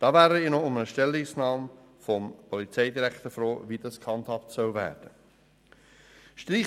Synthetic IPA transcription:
d̥ɑːvæːɾəɪːnɔʊmənəʃtɛlːɪsnɑːm | fɔmpʰɔlit͡sɛɪdiɾækt̪əɾfɾoːvid̥ɑskʰhɑnt̪hɑptsœlvæ̰ːɾd̥ə | ʃtɾiː

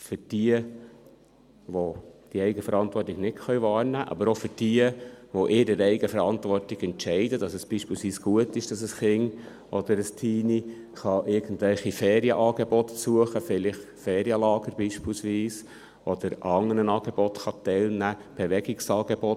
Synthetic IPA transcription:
fʏɾd̥iə | ʋod̥iəɛɪɡəfəɾɑntvɔrtɪɡ̥nɪtχœʏvɑːɾnæːʔɑ̰bəɾofʏɾd̥iəʋoʔɪɾəɾɛɪɡəfəɾɑntʋɔrtɪɡɛntʃɛɪdədɑsəsb̥iːʃpɪlsʋiːsɡ̥uətɪʃd̥ɑsəsχɪŋ | ʔɔd̥̪əɾəstʰiːni | χɑʔɪɾɡ̥ən̩tvɛlχifɛːɾiəʔɑːɡ̥ebɔt̪suəχəfɪlɪχ | fɛːɾiəlɑːɡ̥əɾb̥iːʃpɪlsʋiːs | ʔɔd̥̪əɾɑŋənənɑːɡ̥ebɔtχɑt̪ɛlnæːb̥eʋɛɡɪksɑːɡebɔt

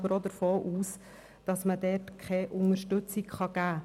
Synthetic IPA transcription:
bəɾodəɾfoːʔuːs | d̥ɑsmədɛːtkʰɛʔʊŋəɾʃtɵt͡sikχɑɡ̥æː

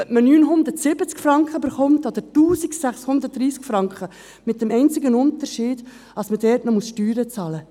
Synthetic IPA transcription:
œmənyːnɦʊnd̪ətsɪb̥ət͡skfɾɑŋkχəbɪɾχʊmtod̥̪əɾtuːsiksæχshʊnd̪əɾt̚dɾiːskfɾɑŋkχə | mɪt̚d̥ɛmɛɪnt͡sɪɡənʊntəɾʃiːd̥ | ɑsmədɛɾtnɔmusʃtyːɾət͡sɑːlə

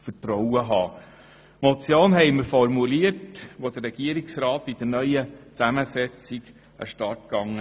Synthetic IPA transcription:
fətɾɔwəɦɑː | mɔt͡sjoːnɦɛɪməɾfɔɾmuliəɾtʋod̪ərɛɡ̥iəɾiksɾɑːt̪id̥̪ənœʏət͡sæməsɛt͡siɡ | ə̰ʃtɑt̚kɑŋːə

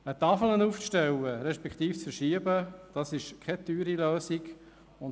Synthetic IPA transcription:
ət̪ɑfələnuːfʃtɛwəɾɛʃpɛkʰχt̪iːft͡sfəɾʃiəbəd̥ɑsɪʃkʰɛtyːɾiløːsik | ʊn

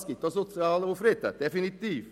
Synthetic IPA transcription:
skɪt̪ːɔsʊt̪sɪɑːləʊfɾɪt̪ɛ̰d̪ɛfɪnɪt̪iːf

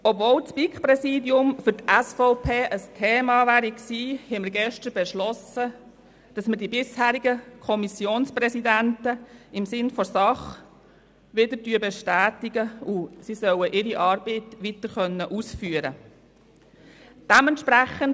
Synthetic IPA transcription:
ɔbvoːlt͡spikpɾɛsiːdjʊmfʏɾtæsfɔʊpʰeːʔəstʰeːmɑːʋæːɾiksiːhɛməɾɡɛʃtəɾbɛʃlɔsə | d̥ɑsməɾdibɪshæːɾiɡəkʰɔmisjoːnsprɛsidæntəɪmsɪnfɔsɑχ | ʋɪdəɾtyəbɛʃtæːtiɡəusisœwəʔɪɾiʔɑːɾbiːtʋit̪əɾχœnːəʔusfyːəɾə̰ | d̥æmɛntʃpɾæχən

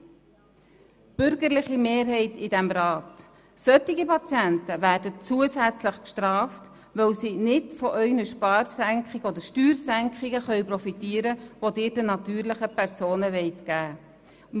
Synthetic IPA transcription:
b̥ʏɾɡəɾlɪχimeːɾɦɛɪtɪdɛmɾɑːt | sœtiɡipɑt͡sjæntəʋæːɾdət͡suəsæt͡slɪχkʃtɾɑːft | ʋœwsinɪdfɔʔœʏɡnəʃpɑːɾsæŋkχɪɡɔdəɾʃtyːɾsæŋkχɪɡəχœɥpɾɔfitiːəɾəʋodɪːɾdənɑt̪yːɾlɪχəpʰɛɾsoːnəʋɛɪtɡ̥æː

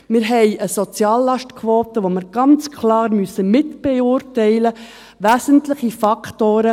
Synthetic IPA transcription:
mɪɾɦɛɪəsɔt͡sjɑːlːɑʃtkʰʋoːt̪əʋoməɾɡ̥ɑnt͡skʰlɑːɾmysəmɪtb̥ɛʊːrtɛɪlə | ʋæːsəntlɪχifɑkʰtoːɾə

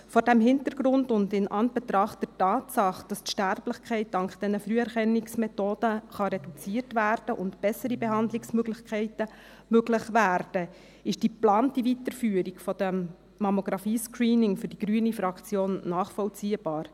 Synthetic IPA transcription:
fɔɾdæmɦɪntəɾɡ̥ɾʊndʊndɪnʔɑnb̥ɛt̪ɾɑχtd̥ɛɾtɑːtsɑχd̥ɑstʃtæɾblɪχkʰχɛɪt̚d̥ɑŋktd̥ɛnəfɾyəɛɾχɛnːɪksmɛtoːd̥əχɑɾɛdut͡siːərtʋæːɾd̥əʔʊntb̥ɛsːəɾibeɦɑndlɪksmøɡlɪχkʰɛɪtə | møɡlɪχʋæːɾd̥ə | ɪʃd̥iplɑːntivitəɾfyːəɾikfɔd̥ɛmː | ɑmoɡ̥ɾɑfiːskriːnɪŋfʏɾd̥iɡ̥ɾyənifɾɑkt͡sjoːnːɑːχfɔlt͡siːəb̥ɑːɾ

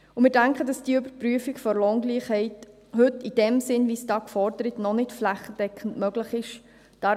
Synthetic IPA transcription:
ʊmɪːɾdæŋkχəd̥ɑsd̥iəʉbəɾpryəfikfɔɾlɔŋɡliːχhɛɪt | hɵtid̥ɛmsɪnʋisd̥ɑːkfɔɾdəɾətnɔnɪtflæχːəd̥ɛkχən̩dmœɡləχɪʃ | d̥ɑ

